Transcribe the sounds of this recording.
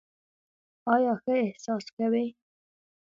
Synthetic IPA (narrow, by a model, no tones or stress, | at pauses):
ɑːjɑxəehsɑːskawe